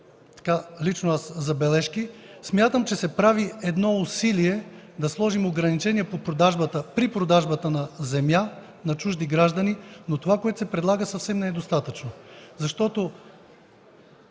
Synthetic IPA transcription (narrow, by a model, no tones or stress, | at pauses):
t̪ɐ̥kalit͡ʃnoaszɐbɛlɛʃkismʲjat̪əmt͡ʃɛsɛpɾaviɛd̪nɔʊsiliɛ | d̪ɐslˠɔʒimoɡɾɐnit͡ʃɛniɛpopɾod̪aʒbət̪əpɾipɾod̪aʒbət̪ənɐzɛmja | nɐt͡ʃuʒd̪iɡɾaʒd̪ɐninot̪ovakoɛt̪ʊ̥sɛpɾɛd̪lˠaɡəsɐfsɛmnɛd̪ost̪at̪ət͡ʃnozɐʃt̪ɔt̪o